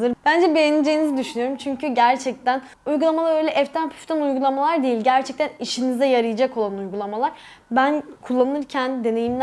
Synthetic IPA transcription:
ɯɾb̥ænd͡ʒɛbejenid͡ʒe̞jinizid̪yʃynyjoɾumt͡ʃʰyɲcʰyɟæɾt͡ʃʰɛc̚t̪ʰæn | ujɡulˠamalˠaɾøjlʲɛʔɛft̪ʰænpʰy̥ft̪ʰænujɡulˠamalˠaɾd̪ejilʲɟæɾt͡ʃʰɛc̚t̪ʰæniʃinizɛjaɾɯjad͡ʒako̞lˠanujɡulˠamalˠaɾ̥ | bænkʰulˠːannɯɾcʰænd̪e̞ne̞jimʲ

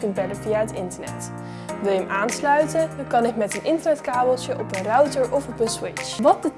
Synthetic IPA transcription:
kənbɛləviaɦətɪntənɛ̰t | ʋɪlˠjəmʔaːnslœɥtənkɑnɪkmɛtənʔɪntəɹnɛtkaːbəlˠtjəʔɔpənrœwtəɹʔɔfɔpənswɪt͡ʃʋɑt̚də

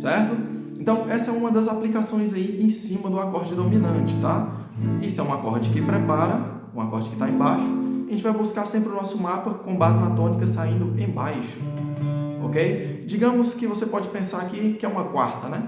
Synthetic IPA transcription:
sɛɾt̪ʊ | ẽnt̪ɐ̃w̃ʔɛsɐɛũmɐd̪ɐzaplikasõj̃zaiẽj̃sĩmɐd̪ʊakɔɾd͡ʒɪd̪omĩnɐ̃t͡ʃɪ̥t̪a | isɛũakɔɾd͡ʒɪkɪpɾɛpaɾɐ | ũakɔɾd͡ʒɪkɪ̥t̪aẽbaʃʊaaʒẽt͡ʃɪvajbuskaɾsẽmpɾɪʊnɔsʊmapɐkõbazɪnat̪õnikɐsaĩnd̪ʊẽj̃bajʃʊ̥ | o̰kejd͡ʒiɡɐ̃mʊskɪvosepɔd͡ʒɪpẽsaɾakikɪɛũmɐkwaɾt̪ɐnɛ

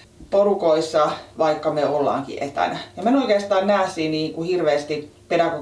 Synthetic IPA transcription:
porukoisːɑʋɑikːɑmeolːɑ̰ːŋkḭʔet̪æ̰næjɑmænoikeːst̪ɑːnnæːˑsiːniːŋkuhirʋeːst̪ipedɑko

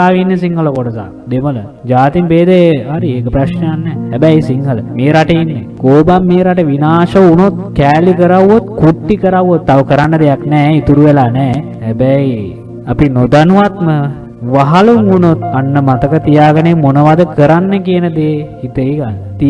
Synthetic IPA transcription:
aːʋinːəsiŋɦəlokoɖəsa̰ | d̪emələ | d͡ʒaːt̪imbeːd̪eaɾieːkəpɾaʃnəjanːɛhæbɛjsiŋɦələmeːɾaʈəinːekoːbamːeːɾaʈəʋinaːʃəunot̪̚kɛːlikəɾawːot̪kuʈːikəɾawːot̪ːaʋəkəɾanːəd̪ejaknɛːit̪uɾuʋelaːnɛː | hɛbæj | apinod̪anuʋat̪mə | ʋaɦaluŋunot̪anːəmat̪əkət̪ijaːɡənemonəʋad̪əkəɾanːəkijənəd̪eː | it̪əiɡanːt̪i

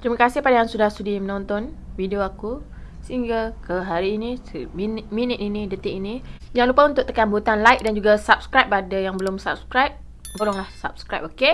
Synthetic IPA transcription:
t̪ɾimakasɪhpadajaŋsudahsudimənɔnt̪ɔnvidioaku | səiŋɡəlkəɦaɾiːnĩsəminminɪt̪inĩdət̪ɪʔinĩ | d͡ʒaŋlupaunt̪ʊʔ̚t̪əkanbut̪anlajk̚dand͡ʒuɡasap̚skɾajpadajaŋbəlʊmsap̚skɾajp̚ | oɾɔŋlahsap̚skɾajp̚oke

